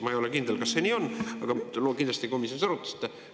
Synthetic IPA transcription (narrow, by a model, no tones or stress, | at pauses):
mɑejo̞lekind̪elkɑsːe̞niːo̞nːɑɡ̥ɑlokind̪lɑst̪ʲeko̞misjonisɑɾut̪ːˑɑ̥st̪ːˑɑ